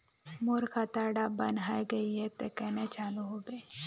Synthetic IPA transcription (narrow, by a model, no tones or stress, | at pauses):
moːɾkat̪aːɽabɐnɦaːiɡɐiɦɛt̪ekɛːnet͡ʃaːluɦoɡɐe